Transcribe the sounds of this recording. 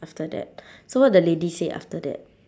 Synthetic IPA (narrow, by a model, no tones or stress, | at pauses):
aftədɛ̰t̚sowɔt̚dəledisea̰ftədɛ̰t̚